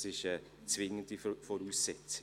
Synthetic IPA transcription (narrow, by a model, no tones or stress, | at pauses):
sɪʃə | t͡svɪŋəntifɔɾuːsːɪt͡s